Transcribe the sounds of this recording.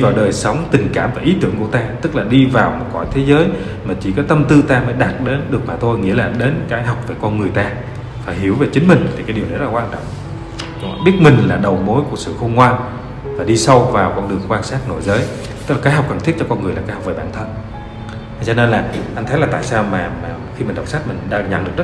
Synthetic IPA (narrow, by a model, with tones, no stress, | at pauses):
vaː˨˩wɗəː˨˩jsə˨˦wŋ͡mt̪ï˨˩ŋ̟kaː˧˩mvaː˨˩ʔi˨˦t̪ɨ˧˩əŋku˧˩ət̪aː˧t̪ɨ˦˥k̚laː˨˩ɗi˧vaː˨˩wmo˨˩t̚kɔ̰˧˩jt̪ʰe˨˦zəː˨˦j | maː˨˩t͡ɕi˧˩kɔ˨˦t̪ə˧mt̪ɨ˧t̪aː˧məː˨˦jɗaː˨˩t̚ɗe˨˦nɗɨ˨˩ək̚maː˨˩t̪ʰo˧jŋḭ˧˥əlaː˨˩ɗe˨˦nkaː˨˦jɦa˨˩wk͡p̚veː˧˩kɔ˧nŋɨ˨˩əjt̪aː˧ | faː˧˩jɦi˧˩əwve˨˩t͡ɕï˨˦ŋ̟mï˨˩ŋ̟t̪ʰi˨˩kaː˨˦ɗi˨˩wnɔ˨˦z̚laː˨waː˧nt͡ɕɔ̰˧˨ŋ͡m | z̰ɓi˦˥ət̚mï˨˩ŋ̟laː˨˩ɗə˨˩wmo˨˦jku˧˩əsɨ̰˧˨xo˧ŋ͡mkwaː˧n | vaː˨˩ɗi˧sə˧wvaː˨˩wkɔ˧nɗɨ˨˩əŋkwaː˧nsaː˦˥t̚no̰˧˩jzəː˨˦j | t̪ɨ˦˥k̚laː˨˩aː˨˦jɦa˨˩wk͡p̚kə˧˩ŋt̪i˦˥t̚t͡ɕɔ˧kɔ˧nŋɨ˨˩əlaː˨˩kːaː˨˦jha˨˩k͡pveː˧˦˩ɓaː˧˩nt̪ʰə˧n˨ | zɔ˧ne˧nlaː˨˩ʔa˧jŋ̟t̪ʰə˨˦jlaː˨˩t̪a̰ː˧˨jsaː˧wmaː˨˩maː˨˩xi˧mï˨˩ŋ̟ɗə˨˩wŋ͡msa˦˥t̚mï˨˩ŋ̟˨˩ɗaː˧ɲa̰˧˩nɗɨ˨˩ək̚z